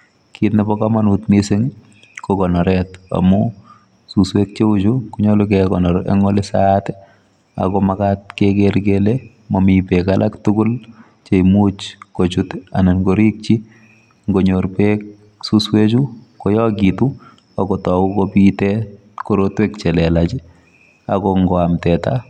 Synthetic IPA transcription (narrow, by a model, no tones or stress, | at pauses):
kitnɛbɔkamanutmiseŋ | kokɔnɔɾɛta̰mu | suswet̚t͡ʃeut͡ʃukuɲɔlʊkɛkɔnɔɾḛŋɔlɪsatɛ | a̰kɔmakat̚kekeɾɡele | momipekalʔaktʊkʊl | t͡ʃeimut͡ʃkot͡ʃuta̰nɛnɡoɾik̚t͡ʃi | ŋɡoɲoɾpek̚ | suswet͡ʃukɔjɔɡitu | akɔtɔukɔpitɛ | koɾotwekt͡ʃɛlɛlat͡ʃi | akɔŋɡɔamtɛta̰